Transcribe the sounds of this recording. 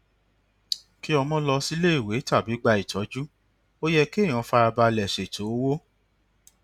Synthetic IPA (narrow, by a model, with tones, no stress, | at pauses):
ki˦ɔ˧mɔ̃˦lɔ˧si˦le˦i˦˨we˨˦ta˦˨bi˨˦ɡ͡ba˧i˨tɔ˨˦d͡ʒu˦ | o˦jɛ˧ke˦˨j̃ɔ̃˨˧˦fa˧ɾa˧ba˧lɛ˨ʃe˨tʰo˨˦wo˦